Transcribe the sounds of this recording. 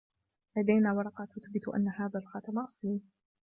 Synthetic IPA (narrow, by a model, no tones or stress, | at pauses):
lad̪ajnaːwɑɾˤɑqɑt̪ʊθbɪt̪ʔa̰nːahaːðalxɑt̪ɑmaʔsˤiːn